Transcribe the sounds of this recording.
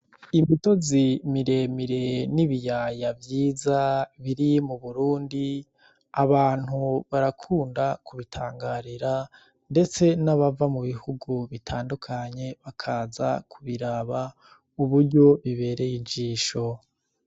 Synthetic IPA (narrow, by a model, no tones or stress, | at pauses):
imito̞zimiɾe̞miɾe̞niβijaːjavjiːzaβiɾimuβuɾuːndi | aβaːn̥huβaɾakʰuːndakuβitʰaːŋɡaːɾiɾa | nde̞t͡se̞naβavamuβihuɡuβitʰaːndukʰaɲe̞βakʰaːza̰kʰuβiɾaβa | uβuɾɟo̞βiβe̞ːɾe̞jid͡ʒiːʃo̞